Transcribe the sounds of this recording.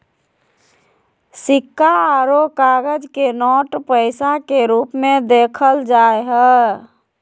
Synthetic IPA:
sikːaɾokaɡəd͡ʒkenɔʈpəɪsakeɾupmẽd̪ekʰəld͡ʒaeɦə

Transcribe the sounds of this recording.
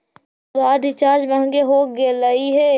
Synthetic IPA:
ʋaːɖɪt͡ʃaːɾd͡ʒmɛ̃ɦə̃ŋɡeɦoːɡeləiɦɛː

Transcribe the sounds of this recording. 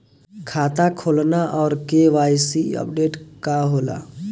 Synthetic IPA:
kʰaːt̪akʰoːlnaʔɔːɾkeʋaːjsiə̰pɖeːʈkaɦoːla̰

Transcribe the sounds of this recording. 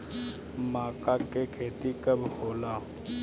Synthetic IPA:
maːkakekʰeːt̪ikəbʱhoːlaː

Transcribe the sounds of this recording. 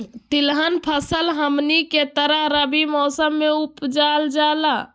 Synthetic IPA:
t̪ilɦənpʰəsəlɦəmniket̪əɾəɦɾəbimɔːsəmːeupd͡ʒald͡ʒala

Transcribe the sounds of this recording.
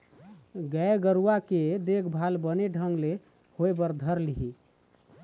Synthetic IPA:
ɡɛjɡəɾuwaked̪ekʰbʱalbəneɖʱəŋɡle | hoebəɾd̪ʱəɾliɦi

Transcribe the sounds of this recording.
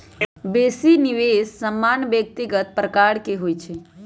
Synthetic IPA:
besiniʋessəmːanʋjək̚t̪iɡət̪̚pɾəkaɽkeɦojt͡ʃʰe

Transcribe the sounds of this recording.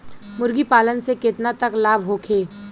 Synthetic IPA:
mʊɾɡipaːlənsekɪt̪nat̪ɐklaːbʱɦoːkʰeː

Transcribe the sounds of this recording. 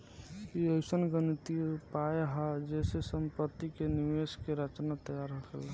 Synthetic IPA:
iəɪsənɡənt̪ipajeɦad͡ʒɛːsesəmpət̪ːikeniʋeskeɾət͡ʃnat̪əjaɾɦəkʰela

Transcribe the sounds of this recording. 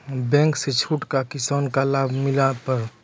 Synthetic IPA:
bɛ̃ːŋkset͡ʃʰuːʈkakɪsaːnkalaːbʱmɪlapəɾ

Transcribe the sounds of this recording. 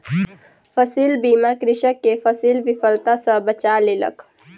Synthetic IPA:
fəsiːlbiːmakɾɪʃəkːefəsiːlʋɪfəlt̪asãbət͡ʃaːlɪlə̰k

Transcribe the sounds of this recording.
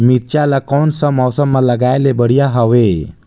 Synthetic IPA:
miɾt͡ʃalakɔːnsəmːɔːsəmːãləɡaːelebəɽ̤ijaɦɔʋe

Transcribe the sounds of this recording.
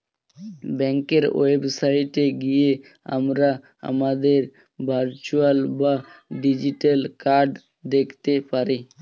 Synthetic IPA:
bɛŋkeɾwebsaɪʈeɡije | a̰mɾa | a̰mad̪eɾ | bʱaɾt͡ʃualbaɖid͡ʒiʈelkaɾɖ | d̪ekʰt̪epaɾi

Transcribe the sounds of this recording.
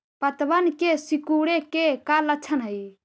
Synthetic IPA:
pət̪bənkesikuɽekekalət͡ʃʰənɦəj

